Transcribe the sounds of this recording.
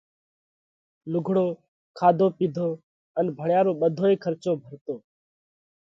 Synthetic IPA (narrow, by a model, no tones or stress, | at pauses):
lʊɡʱɽoː | kʰaːd̪ʱoːpiːd̪ʱoː | ənbʱəɳjaːɾoːɓəd̪ʱoːeːkʰəɾt͡ʃoːbʱəɾt̪oː